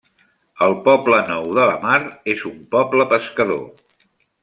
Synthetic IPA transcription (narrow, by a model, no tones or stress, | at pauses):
əlˠpɔblənɔwðələmaɾezumpɔbləpəskəðo̰